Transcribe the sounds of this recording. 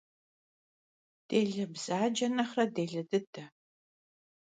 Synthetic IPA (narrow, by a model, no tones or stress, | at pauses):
d̥eːɮɐbz̥aːd͡ʒɐnɐχrɐdeːɮɐdɨdʰɐ